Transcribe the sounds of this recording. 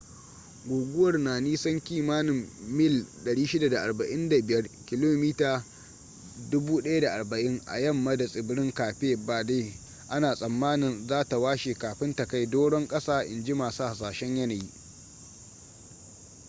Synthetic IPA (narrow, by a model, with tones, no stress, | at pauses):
ɡʷoː˨ɡʷʊ˦wɐ˨rnaː˨niː˦sɐ˦ŋkʲiː˦maː˦nɪ˨mːɪ˦˨lɗɐ˨ɽiː˦ʃɪ˦da˨da˨ʔa˨rbɐ˨ʔɪ˦nda˨bɪ˨jɐ˦rkʲɪ˨loː˦miː˦taː˨ | dʊ˦buː˦ɗɐ˦ja˦da˨ʔa˨rbɐ˨ʔɪ˦ŋʔa̰˨jɐ˦mːa˦da˨sʼɪ˨bɪ˦ɽɪ˦ŋkaː˨ɸeː˦ba˨deː˦ | ʔa˦naː˨sʼɐ˨mːaː˦nɪ˨nzaː˦ta˨waː˦ʃeː˨kaː˨ɸɪ˦nta˨ka˦jdoː˦ɽɔ˦ŋkʼɐ˦saː˦ʔɪ̰˨nd͡ʒi˦maː˨sa˦ha˨s̬aː˨ʃɛ˦ɲjɐ˦naː˨ji˦ʔ